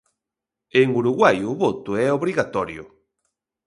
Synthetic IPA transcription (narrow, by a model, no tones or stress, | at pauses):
eŋuɾuɣwajuβot̪uɛoβɾiɣat̪ɔɾjo̰